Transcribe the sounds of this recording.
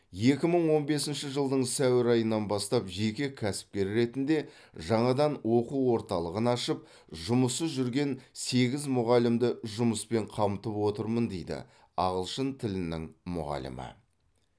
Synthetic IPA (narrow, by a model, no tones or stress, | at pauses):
je̞kʲɪməɴwo̞nbe̞sɪnʃɪʒəlˠd̪əɴsæwɪɾɑjənːɑnbɑst̪ɑpʒe̞kʲekʲʰæsɪ̥p̚kʲe̞ɾɾe̞t̪ɪnd̪e̞ | ʒɑɴɑd̪ɑnwo̞quwo̞ɾt̪ɑlˠəʁənɑʃəp̚ | ʒʊməsəzʒʏɾɡʲe̞nse̞ɡʲɪzmʊʁɑlɪmd̪ɪʒʊməspe̞ɴqʰɑmt̪əpwo̞t̪əɾmənd̪ejd̪ɪ̰ | ɑ̰ʁəlˠʃənt̪ʰɪlɪnɪ̰ŋmʊ̰ʁɑ̰lə̰mə̰